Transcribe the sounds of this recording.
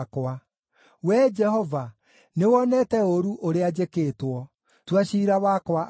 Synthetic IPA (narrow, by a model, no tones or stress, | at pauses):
kwa | wɛd͡ʒɛhɔva | newɔnɛtɛoɾuʔoɾead͡ʒekeːtwɔ | twaɕiɾawakwa